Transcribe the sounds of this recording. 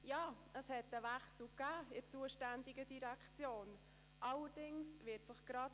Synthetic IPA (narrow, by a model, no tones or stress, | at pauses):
jɑː | əshɛt̪əvæχsl̩kæːɪɾt͡suəʃtændɪɡədiɾækʰt͡sjoːn | ʔɑləɾd̥ɪŋsvɪːtsəχɡ̥ɾɑt